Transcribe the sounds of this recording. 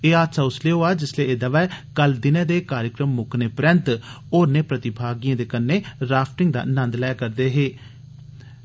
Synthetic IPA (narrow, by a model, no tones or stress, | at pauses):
eːaːt̪saːʊsleːoaːd͡ʒɪsleeːd̪əʋɛːkəld̪ɪnɛ̃ːd̪eːkaːɾjəkɾəmːʊkneːpɾənt̪ | oːɾneːpɾət̪ɪbʱaːɡijãːd̪eːkənːeːɾaːpʰʈɪŋɡ̚d̪a̰ːnə̃nd̪lɛːkəɾd̪eːɦeː